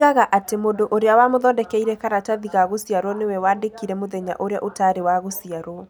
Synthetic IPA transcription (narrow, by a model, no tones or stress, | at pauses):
aɣaʔatemodoʔoɾeawamoðɔːndɛkɛiɾɛkaɾataðiɣaɣosiaɾwɔnewɛwaːndekiɾɛmoðɛɲa̰ʔoɾea̰ʔotaːɾewaɣosiaɾwɔ